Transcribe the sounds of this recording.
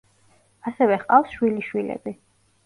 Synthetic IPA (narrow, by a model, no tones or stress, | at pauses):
asɛvɛχqʼafsʃwiliʃwilɛ̰bi